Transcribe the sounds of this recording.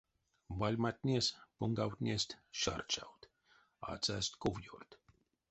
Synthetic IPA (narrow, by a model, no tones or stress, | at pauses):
valʲmat̪ʲnʲiɛspuŋɡawt̪ʲnʲiɛst̪ʲʃa̰rt͡ʃawt̪ | a̰ːt̪sæːst̪kuvjurt̪